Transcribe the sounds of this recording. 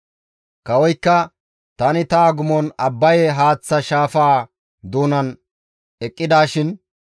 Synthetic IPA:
kɐwɔjkːɐ | t̪ɐnɪt̪aːɡʊmɔnɐbːɐjɛɦaːt͡sːɐʃaːfaː | d̪uːnɐn | ɛkʼːɪd̪aːʃɪn

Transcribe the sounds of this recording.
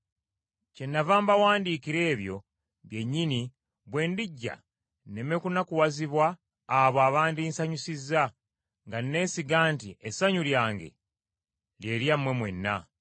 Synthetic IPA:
ce̞nːavaːmbawaːndikiɾe̞ːβjo̞ | βje̞ɲːini | βwe̞ːndiɟːa̰ | ne̞mekunakuwaziβwaː | βoaːβaːndiːnsaɲusizːa | ŋɡanne̞ːsiɡaːntiʔesaɲuljaːŋɡe̞̰ | lje̞ːljamːwe̞mwe̞̰nːa̰

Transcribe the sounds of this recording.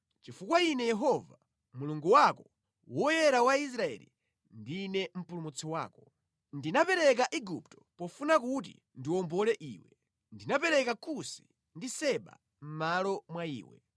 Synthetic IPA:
t͡ʃifukwainɛjɛɦɔva | muluŋɡuwakɔ | wɔjɛɾawais̬ɾaɛ̰lḭ | ndinɛm̩pulumut͡sʰiwaːkɔ | ndinapɛɾɛk̬aʔiɡuptɔ̥pɔfunak̬ut̬ḭ | ndiwɔmbɔlɛʔiːwɛ | ndinapɛɾɛkakʰusi̥ | ndisɛɓa̰ | m̩malɔmwaḭːwɛ̰

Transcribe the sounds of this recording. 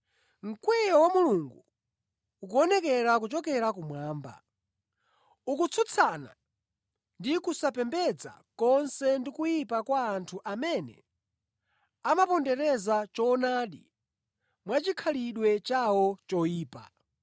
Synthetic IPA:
ŋ̩kwɛjɔwamuluŋɡuː | kuɔnɛkɛɾakut͡ʃɔkɛɾak̬umwaːmba̰ | ukut͡sʰut͡sʰana̰ | ndikusapɛmbɛd͡za̰ | kɔnsɛndikujipakwaːntʰuʔamɛnɛ̰ | amapɔndɛɾɛzat͡ʃɔnaːɗḭ | mwat͡ʃikʰaliɗwɛt͡ʃawɔt͡ʃɔjiːpa̰

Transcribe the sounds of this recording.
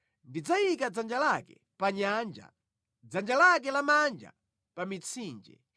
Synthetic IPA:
ndid͡zajikad͡zand͡ʒalakɛ̰ | paɲand͡ʒa̰ | d͡zand͡ʒalak̬ɛlamand͡ʒa̰ | pamit͡sʰiːnd͡ʒɛ̰

